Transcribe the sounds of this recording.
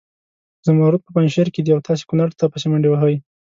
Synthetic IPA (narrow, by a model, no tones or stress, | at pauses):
zamaɾut̪̚pəpanʃeɾked̪iawt̪ʰɑs̬e̥kunaɾt̪apəsemaɳɖiwaɦaj